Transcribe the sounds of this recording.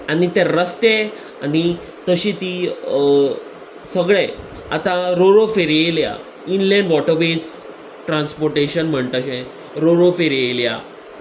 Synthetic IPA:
anit̪ẽɾəst̪e | ani | t̪əɕit̪i | səɡɭe | a̰t̪ãɾoɾofeɾjela̰ | inlẽnʋɔʈəɾʋes | ʈɾãnspoɾʈeɕənm̤əɳt̪əɕẽ | ɾoɾofeɾjelja̰

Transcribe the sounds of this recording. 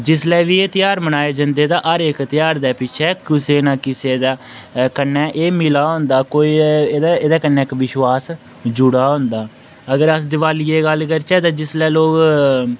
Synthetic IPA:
d͡ʒɪslɛːʋiːeːt̪ɪjaːɾmənaːeːd͡ʒənd̪eːd̪aːʔəɾɪkt̪ɪjaːɾd̪ɛːpɪt͡ʃʰɛːkʊseːnaːkɪseːd̪aː | kənːɛːʔeːmɪlaːɦʊ̃nd̪aːkoːiːd̪aeːd̪aːkənːɛːkʋɪʃwaːs | d͡ʒʊɽaːɦʊ̃nd̪aː | əɡəɾəsd̪ɪʋaːliːeːɡəlkəɾt͡ʃɛːt̪ãːd͡ʒɪslɛːloːk

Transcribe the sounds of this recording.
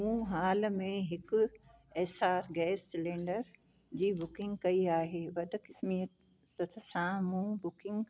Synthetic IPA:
mũɦaːlmẽɦɪkʊ | ɛːsaːɾɡɛːsːɪlẽːɳɖəɾ | d͡ʑiːbʊkɪ̃ŋɡkɐiaːɦeːʋɐd̪kɪsmijət̪ | sɐt̪ʰsãmũːbʊkɪ̃ŋɡ

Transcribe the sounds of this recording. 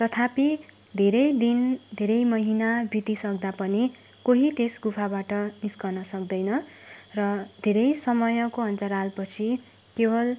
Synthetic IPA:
t̪ʌt̪ʰapi | d̪ʱeɾʌjd̪ind̪ʱeɾʌjmʌɦinabʱit̪isʌkd̪apʌni | koɦit̪esɡupʰabaʈʌniskʌnʌsʌkd̪ʌjnʌrʌd̪ʱeɾʌjsʌmʌjʌkoʌnt͡saɾalpʌt͡sʰi | kebʌl

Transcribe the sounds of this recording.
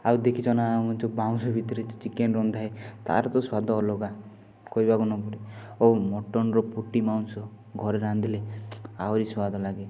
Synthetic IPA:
awd̪ekʰit͡ʃʰɔnawmunt͡ʃʰɔbaw̃nsɔbʱit̪ɔɾet͡ʃɔ̥t͡ʃikenɾɔnd̪ʱaɦet̪a̰ɾɔt̪ɔswad̪ɔːlɔɡa | kɔibakunɔbɔɾiomɔʈɔnɔɾɔpuʈimawnsɔ | ɡʱɔɾeɾãnd̪ileaɔɾiswad̪ʱɔlaɡe

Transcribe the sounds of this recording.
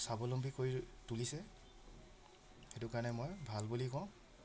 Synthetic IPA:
sabɔlɔmbʱikoɹitulisɛ | xetukaɹnɛmojbʱalbulikɔʊ̃

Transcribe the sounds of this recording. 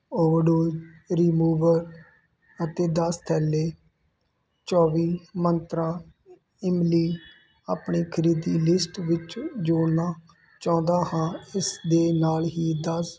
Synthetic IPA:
oːʋəɖoːd͡ʒɾiːmuːʋəɾ | ət̪eːd̪əst̪ʰɛːleː | t͡ʃɔːʋiːmənt̪ɾãː | ɪmliː | aːpɳiːkʰəɾiːd̪iːlɪsʈʋɪt͡ʃd͡ʒoːnãː | t͡ʃɔ̃ːnd̪aːhãːɪsd̪eːnaːlɦiːd̪əs

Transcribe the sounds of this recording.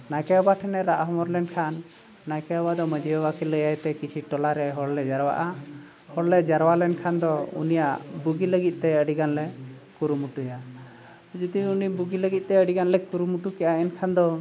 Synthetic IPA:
najkɛɔbaʈʰɛnɛɾaʔɦɔmɔɾlɛnkʰanː | ajkɛɔbad̪ɔməd͡ʒiɔwakiləjajt̪ɛkit͡ʃʰiʈɔlaɾɛɦɔɽlɛd͡ʒaɾwa̰ʔa | hɔɽlɛd͡ʒaɾwalɛnkʰand̪ɔṵnijaʔbuɡiləɡit̪̚ˀt̪ɛəɽiɡanlɛkuɾumuʈuja | d͡ʒud̪iunibuɡiləɡit̪̚ˀt̪ɛəɽiɡanlɛkuɾumuʈukɛʔaɛnkʰand̪ɔ

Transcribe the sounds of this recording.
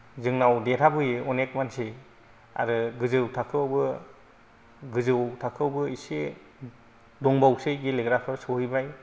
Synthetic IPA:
zɯŋnawdetʰabɯjeɔnek̚manse | a̰ɾɯɡɯzɯwtʰakʰɯwbɯ | ɡɯzɯwtʰakʰɯwbɯise | dɔŋbawsɯjɡileɡɾapʰɯɾsɔhibaj

